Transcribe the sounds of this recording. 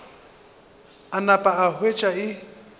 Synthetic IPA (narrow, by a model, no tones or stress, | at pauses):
anapʼaahwet͡ʃʼaɪ